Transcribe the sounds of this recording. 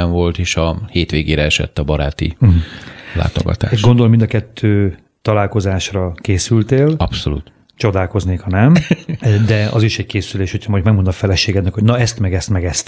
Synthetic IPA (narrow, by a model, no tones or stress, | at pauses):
ɛɱvo̞lt̪eːʃɒheːt̪ʋeːɡeːɾɛɛʃɛ̰t̪ːɒbɒɾaːt̪ḭɦ̩la̰ːt̪o̞̰ɡɒ̰t̪a̰ːʃɡo̞nd̪o̞lmind̪ɒkɛt̪ʰːøː | t̪ɒlaːlko̞zaːʃrɒkeːsylt̪eːlɒpso̰lṵːt̪ | t͡ʃo̞d̪aːlko̞zneːkhɒnɛm | d̪ɛɒ̰ziʃɛɟ̚keːsyleːʃho̞cʰɒmojmɛɡmond̪ɒfɛlɛʃeːɡɛd̪nɛkho̞ɟnɒɛst̪mɛɡɛst̪mɛɡɛst̪